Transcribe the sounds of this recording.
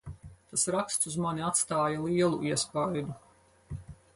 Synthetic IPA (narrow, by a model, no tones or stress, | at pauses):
t̪asɾakst̪suzmaniat̪st̪aːjalˠiɛlˠuʔiɛspajd̪u